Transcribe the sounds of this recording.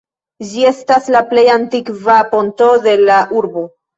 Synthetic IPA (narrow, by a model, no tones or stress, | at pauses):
d͡ʒie̞staslaple̞jantikvapo̞nto̞de̞laʔuɾbo̞